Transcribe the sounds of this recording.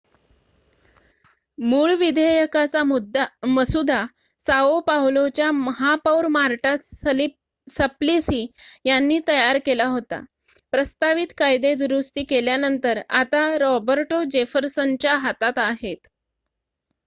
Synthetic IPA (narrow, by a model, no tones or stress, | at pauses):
muːɭʋid̪ʱejəkat͡sad̪məsud̪ʱa | saopawlot͡ɕjaməɦapawɾmaɾʈasəl | səplisiːjanːiːt̪əjaɾkelaɦot̪a̰ | pɾəst̪aʋit̪kajd̪ed̪uɾust̪iːkeljanənt̪əɾa̰t̪aɾɔbəɾʈod͡ʑefəɾsənt͡ɕjaɦat̪at̪aɦet̪